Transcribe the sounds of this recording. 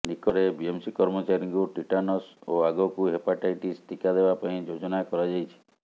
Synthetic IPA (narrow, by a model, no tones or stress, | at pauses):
nikɔɾebiemsikɔɾmɔt͡ʃaɾiŋkuʈiʈanɔsoaɡɔkuɦepaʈajʈist̪ʰikad̪ebapaĩd͡ʒod͡ʒɔnakɔɾad͡ʒajt͡ʃʰi̥